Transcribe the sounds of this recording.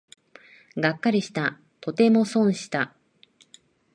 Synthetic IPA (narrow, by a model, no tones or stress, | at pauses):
ɡakːaɾʲiɕi̥t̪a | t̪o̞t̪e̞mo̞sõ̞ɰ̃ɕi̥t̪a